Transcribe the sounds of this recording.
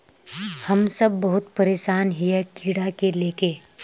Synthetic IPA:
hɐmsəbːɐɦʊt̪pəɾeːʃaːnɦijekiːɽakeleːke

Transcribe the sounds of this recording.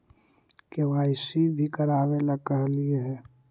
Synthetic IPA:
keʋaːɪsibʱikəɾaːweləɡ̚kəɦlieɦɛː

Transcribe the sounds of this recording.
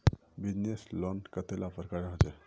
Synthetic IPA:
bid͡ʑneslɔnkət̪ʰelapəɾkaɾaɦot̪e

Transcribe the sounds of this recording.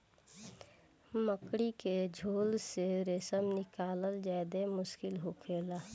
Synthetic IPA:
məkɽiked͡ʒʱoːlseɾesəmnɪkaːləld͡ʒaːd̪emʊʃkɪlɦokʰeːlaː

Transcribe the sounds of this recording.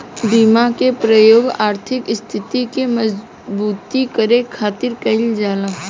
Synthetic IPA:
biːmakepɾəjoːɡaːɾt̪ʰɪkɪst̪ʰɪt̪ikemɐz | buːt̪ikəɾekʰaːt̪ɪɾkəɪld͡ʒaːla

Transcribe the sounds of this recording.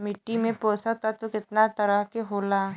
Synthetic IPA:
mɪʈːimẽpoːsat̪at̪okɪt̪nat̪ɐɾəɦkeɦoːlaː

